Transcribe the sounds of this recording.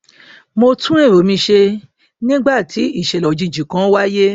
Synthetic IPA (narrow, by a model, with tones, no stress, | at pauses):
mo˧tʰũ˦ɾ̃ẽ˦˨ɾo˨˦mĩ˧ʃe˧ | nĩ˦ɡ͡ba˦˨tʰi˨˦i˦˨ʃɛ˨lɔ˨d͡ʒĩ˨˧d͡ʒĩ˨kã˨˦wa˦je˦